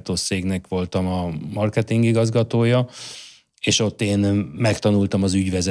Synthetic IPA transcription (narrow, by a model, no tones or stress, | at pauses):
t̪oːseːɡnɛkʋo̞lt̪ɒmɒmɒrkɛt̪iŋɡiɡɒzɡɒt̪oːjɒ | eːʃo̞t̪ːeːnmɛkt̪ɒnult̪ɒmɒzyɟʋɛzɛ